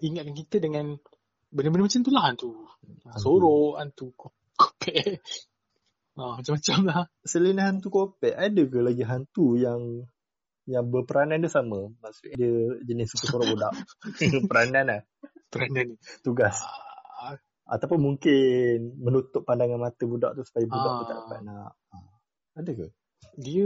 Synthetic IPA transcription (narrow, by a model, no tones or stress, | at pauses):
iŋat̪̚kankit̪ədəŋãn | bənəbənəmat͡ʃamt̪ulaɦant̪u | soɾɔʔant̪uk | kopʰɛʔ | amat͡ʃamat͡ʃamlah | səlinaɦant̪ukopɛʔadəkəlaɡiɦant̪ujaŋ | jaŋbəpəɾanandəsaməmasuʔɲadiəd͡ʒənɪsəkəsuɾaʔbudaʔpəɾananah | pəɾanant̪uɡas | a̰t̪apʊnmuŋkɪnmənut̪ʊpːandaŋanmat̪əbuda̰ʔ̚t̪usu̥pajabudaʔit̪a̰ʔba̰ʔnaʔ | adəkəh | diə